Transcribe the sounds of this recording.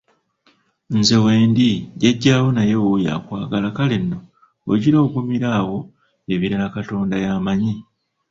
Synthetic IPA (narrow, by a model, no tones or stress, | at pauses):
nze̞weːndiɟeɟːaːwo̞najewuja̰ːkwaːɡalakalinːo̞ | o̰ɟiɾo̞ːkumiɾaːwo̞ | eβiɾaakato̞ːndajaːmaɲi